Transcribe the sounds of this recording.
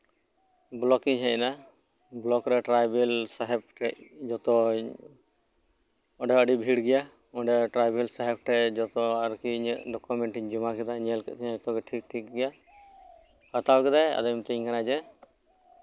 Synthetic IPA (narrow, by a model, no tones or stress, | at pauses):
blɔkiɲɦɛʔna | blɔkɾɛʈɾajbɛlsaɦɛp̚ʈɛʔd͡ʒɔt̪ɔ | ɔɖɛəɖibʱiɽɡɛja | ɔɖɛʈɾajbɛlsaɦɛp̚ʈɛd͡ʒɔt̪ɔaɾkiɲʔɖɔkumɛɳʈiɲd͡ʒumakɛd̪aɲɛlkɛ̰ʔt̪ʰiɲaɔt̪ɔɡɛʈʰik̚ʈʰik̚ɡɛja | hat̪awɡɛd̪aja̰d̪ɔjmt̪ɛɲkanad͡ʒɛ